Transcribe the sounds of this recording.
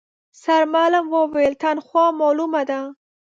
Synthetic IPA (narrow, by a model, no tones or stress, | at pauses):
saɾmalamwəwelt̪anxwɑmɑlumad̪a